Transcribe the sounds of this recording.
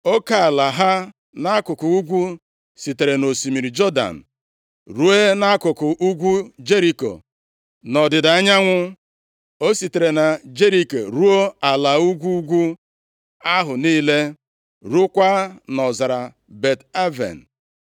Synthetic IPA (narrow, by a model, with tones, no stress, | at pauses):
o˦ka˨la˨ɦa˦ | na˦kʊ˨kʊ˨u˦ɡʷu˦ | si˨te˨ɾe˨no˨si˨mi˨ɾi˨d͡ʒɔ˦da̰˨n̩˨ | ɾu˦e˦na˦kʊ˨kʊ˨ʔu˦ɡʷu˦d͡ʒe˦ɾi˦ko̰˨ | nɔ˨dɪ˨da˦ɲa˦ŋʷʊ˦ | o˦si˨te˨ɾe˨na˨d͡ʒe˦ɾi˦ko˨ɾu˦o˦a˨la˨u˦ɡʷu˦ɡʷu˦ | a˦ɦʊ˨niː˦le˦ | ɾu˦kʷa˦nɔ˨za˨ɾa˨ | be˨ta˦vḛ˨n̩˨